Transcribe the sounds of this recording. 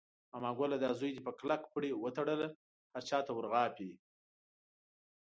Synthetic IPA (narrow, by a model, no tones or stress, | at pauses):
amɑɡʷolad̪ɑzujd̪epəklakpɽewət̪aɽəla | haɾt͡ʃɑːt̪awəɾɣɑːpi